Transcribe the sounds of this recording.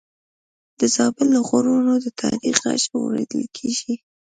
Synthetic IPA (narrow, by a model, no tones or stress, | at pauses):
d̪̥əzɑbɪlːəɣʊɾunod̪ət̪ʰɑɾiχa̰ʃawɾaḛd̪əlkʰeʒi